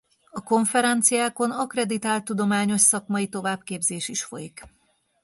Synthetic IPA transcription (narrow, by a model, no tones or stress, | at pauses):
ɒko̞ɱfɛɾɛnt̪sijaːko̞nɒkrɛd̪it̪aːlt̪ːud̪o̞maːɲo̞ʃsɒkmɒit̪o̞vaːbkeːbzeːʃiʃfo̞̰jik